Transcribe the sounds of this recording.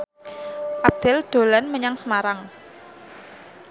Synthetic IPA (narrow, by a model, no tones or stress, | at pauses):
ʔab̚d̪̥ɛld̪̥o̤lanməɲaŋsəmaɾaŋ